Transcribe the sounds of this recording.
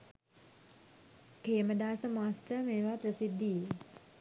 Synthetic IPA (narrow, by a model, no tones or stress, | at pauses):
keːməd̪aːsəmaːsʈəmeːʋaːpɾəsid̪ːije